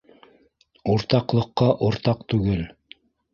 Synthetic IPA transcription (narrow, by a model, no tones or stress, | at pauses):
uɾt̪ɑqlˠɤ̆qːɑʔŏɾt̪ɑqt̪ʉɡɘl